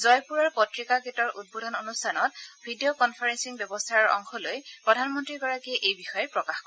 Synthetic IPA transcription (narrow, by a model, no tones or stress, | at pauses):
zɔjpuɹaɹpɔtɹikaketɔɹʔud̚bɔdʱɔnonustʰanɔt̚bʱidiokɔnpʰaɹɛnsiŋbjɔbɔstʰaɹɔɹɔ̰ŋxɔlojpɹɔdʱanmɔntɹiɹɡɔɹakiɛʔejbixɔjɛpɹɔkaxkɔ